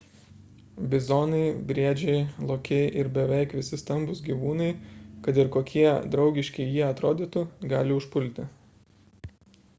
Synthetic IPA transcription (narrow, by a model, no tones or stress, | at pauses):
bʲɪzoːnɐɪbʲɾʲiɛd͡ʒʲɛɪlˠoːkʲɛɪʔɪɾbʲɛʋʲɛɪkʋʲɪsʲɪst̪ɐmbʊsɡʲiːʋuːnɐɪkɐt̪ɪɾkoːkʲʰiɛd̪ɾɒʊɡʲɪʃʲkʲɛɪjiɛɐt̪ɾoːd̪ʲiːt̪ʊɡɑːlʲɪʊʃpʊlʲt̪ʲɪ